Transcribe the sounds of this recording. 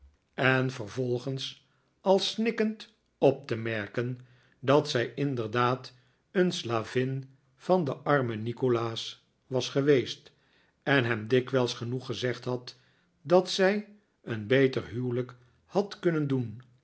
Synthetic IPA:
ɛnvəɹvɔlˠχəns | ɑlˠsnɪkənt | ɔp̚təmɛɹkən | dɑtsɛjɪndəɹdaːt | ənslaːvɪn | fɑndəʔɑɹmənikolaːs | ʋɑsχəʋejst | ɛnɦɛmdɪkʋɛlˠsχənuχəzɛχtɦɑt | dɑtsɛj | ənbejtərɦywlək | hɑtkɵnəndun

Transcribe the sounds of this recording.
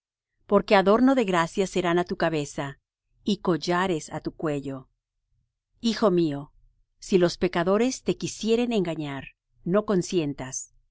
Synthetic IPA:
po̞ɾke̞aðo̞ɾno̞ðe̞ɣɾasjase̞ɾanat̪ukaβe̞sa | iko̞ʝaɾe̞sat̪ukwe̞ʝo | ixo̞mio̞ | silo̞spe̞kaðo̞ɾest̪e̞kisje̞ɾe̞ne̞ŋɡaɲaɾ | no̞ko̞nsje̞nt̪as

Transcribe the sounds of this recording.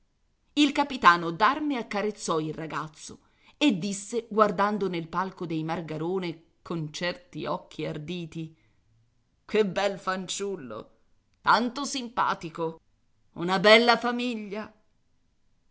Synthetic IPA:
ilkapit̪aːnod̪armeakːaɾet̪sːɔilraɡat̪sːo̰ | ed̪ːisːeɡward̪and̪onelpalkod̪ejmarɡaɾoːne | kʰont͡ʃɛrt̪ḭɔk̟ːiard̪iːt̪i | kʰebːɛlfant͡ʃulːo̰ | t̪ant̪osimpa̰ːt̪iko | ṵnabɛlːafamiʎːa

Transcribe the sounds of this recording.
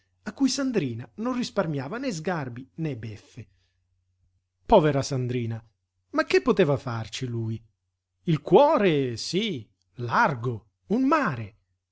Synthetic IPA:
akːujsand̪ɾiːnanonrisparmjaːvanɛzɡarbinɛbɛfːɪ | pɔːveɾasand̪ɾiːna | makːɪpːot̪ɛːvafart͡ʃiluːj | ilkwɔːɾesi | larɡo | unmaːɾe

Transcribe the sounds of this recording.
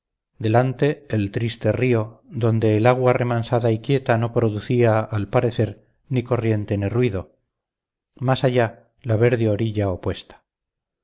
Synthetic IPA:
d̪e̞lant̪eːlt̪ɾist̪erio̞ðo̞nd̪e̞ːlaɣware̞mansaðaikje̞t̪ano̞pɾo̞ðuθiaːlpaɾe̞θe̞ɾ | niko̞rje̞nt̪e̞nirwiðo̞ | masaʝa | laβe̞ɾðjoɾiʎaopwe̞st̪ḁ

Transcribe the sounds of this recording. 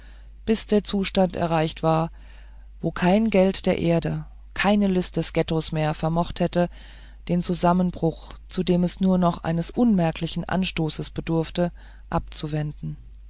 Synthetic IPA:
b̥ɪsd̥eːɐt͡suːʃtantɛ̰ɐʁ̞aɪçtv̥aːɐ | voːkʰaɪnɡɛltd̥eːɐʔeːɐdə | kʰaɪnəlɪstd̥ɛsɡ̥ɛtosmeːɐfɛɐmɔχthɛtə | d̥eːnt͡suzamənbʁʊxt͡sudeːmɛsnuːɐnɔχʔa̰ɪnəsʔʊnmɛɐkʰlɪçn̩ʔa̰nʃtoːsəsb̥ədʊɐftə | ʔap̚t͡suvɛndn̩

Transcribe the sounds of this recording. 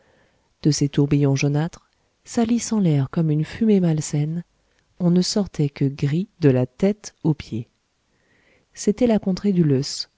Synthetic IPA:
d̪̥əset̪uʁbijɔ̃ʒɔnat̪χ | salisɑ̃lɛʁkɔmynfymemalsɛn | ɔ̃nəsɔʁt̪ʰɛkəɡʁid̪əlat̪ɛt̪opje | set̪ɛlakɔ̃t̪χed̪yløs

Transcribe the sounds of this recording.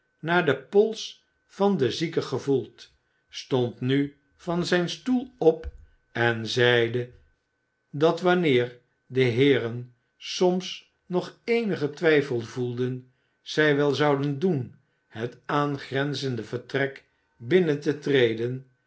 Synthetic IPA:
naːɹdəpɔlˠs | fɑndəzikəχəvulˠt | stɔntny | fɑnzɛjnstulˠɔp | ɛnzɛjdə | dɑtʋɑnɪːɹ | dəɦɪːrən | sɔms | nɔχejnəχətʋɛjfəlˠvulˠdən | z̥ɛjʋɛlˠzɑwdəndun | hətaːnχrɛnzəndəvəɹtrɛk | bɪnəntətrejdən

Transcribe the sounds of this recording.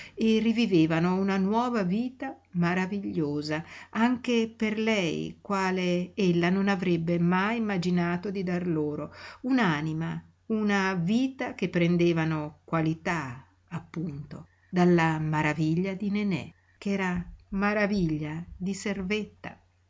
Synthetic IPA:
erːiviveːvanounanwɔːvaviːt̪a | maɾaviʎːoːzaaŋk̟eperlɛjkwaːleelːanonavɾɛbːemajimːad͡ʒinaːt̪od̪id̪arloːɾounaːnima | unaviːt̪ak̟epːɾend̪eːvanokwalit̪a | apːunt̪o | d̪alːamaɾaviʎːad̪inenɛ̰ | kɛːɾamaɾaviʎːad̪iservet̪ːa̰

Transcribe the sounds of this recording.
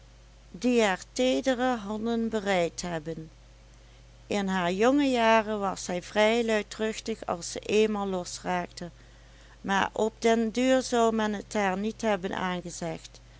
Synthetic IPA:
diaɹteːdərəɦɑndənbərɛjtɦɛbən | ʔɪnɦaːɹjɔŋəjaːrəʋɑsɛjvrɛjlœɥtrʏxtəxɑ̰lˠsə̰ʔeːnmaːlˠːɔsraːktə | ma̰ːɹʔɔb̚dɛndyːɹzɑwmɛnɦətaːɹnitɦɛbənʔa̰ːnɣəzɛχt

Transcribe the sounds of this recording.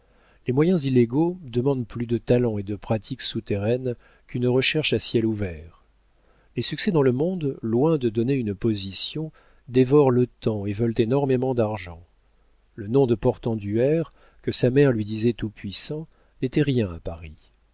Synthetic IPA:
lemwajɛ̃zilːeɡod̪əmɑ̃d̪plyd̪ət̪alɑ̃ed̪əpχat̪ʰiksut̪eʁɛn | kynʁəʃɛʁʃasjɛluvɛːʁ | lesyksɛd̪ɑ̃ləmɔ̃d̪lwɛ̃d̪əd̪ɔneynpozisjɔ̃ | d̪evɔʁlət̪ɑ̃evœlt̪enɔʁmemɑ̃d̪aʁʒɑ̃ | lənɔ̃d̪əpɔʁt̪ɑ̃d̪yɛʁ | kəsamɛʁlɥid̪izɛt̪upɥisɑ̃ | net̪ɛʁjɛ̃apaʁi

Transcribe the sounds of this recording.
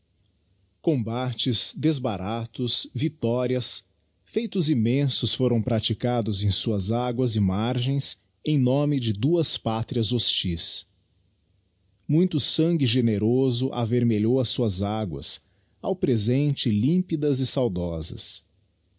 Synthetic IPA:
kõbat͡ʃɪzd̪ezbaɾʔat̪ʊsvit̪ɔɾiɐs | fejt̪ʊzimẽsʊsfoɾɐ̃w̃pɾat͡ʃikad̪ʊzẽj̃suɐzaɡwɐzɪmaɾʒẽj̃s | ẽj̃nõmɪd͡ʒɪd̪uɐspat̪ɾiɐzost͡ʃis | mũj̃t̪ʊsɐ̃ŋɡɪʒeneɾozʊʔa̰veɾmeʎowɐsuɐzaɡwɐ̰s | a̰wpɾezẽnt͡ʃɪlĩpid̪ɐzɪsawd̪ɔzɐ̰s

